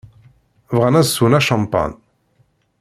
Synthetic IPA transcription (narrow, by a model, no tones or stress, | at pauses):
vʁænæzsːunæʃɑmpa̰n